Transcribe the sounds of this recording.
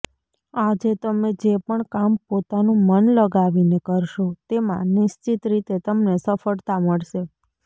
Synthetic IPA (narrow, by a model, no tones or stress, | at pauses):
ad͡ʒet̪əmed͡ʒepəɳkampot̪anũmənləɡaʋinekəɾʃot̪emã̰nɪʃt͡ʃit̪ɾit̪et̪əmnesəfəɽt̪aməɭʃe